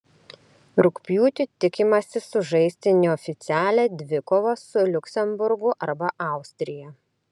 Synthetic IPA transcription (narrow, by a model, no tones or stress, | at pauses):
ɾʊkpʲjuːt̪ʲɪt̪ʲɪkʲɪmɐsʲɪsʊʒɐɪsʲt̪ʲɪnʲɪɔːfʲɪt̪sʲæːlʲɛd̪ʲʋʲɪkoːʋosʊlʲʊksʲɛmbʊɾɡʊʔɐɾbɐʔɑˑʊsʲt̪ʲɾʲɪjɛ